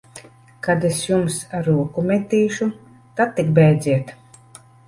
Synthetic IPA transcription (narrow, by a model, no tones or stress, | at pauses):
kad̪esjumsaɾuɔkumʲɛt̪ʲːiːʃu | t̪at̪̚ːik̚bɛjd̪zʲiɛt̪